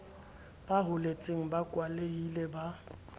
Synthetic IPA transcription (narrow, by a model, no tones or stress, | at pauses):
b̥aɦʊlet͡sʼeŋ̩bakʼwaleilɛba